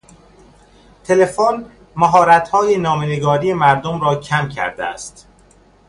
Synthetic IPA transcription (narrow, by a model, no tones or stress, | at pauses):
t̪ʰe̞le̞fon | mæɦɒːɾæt̪hɒːjenɒːmeneɡɒːɾije̞mæɾd̪omɾɒːcʰæmcʰæ̰ɾd̪eæ̰st̪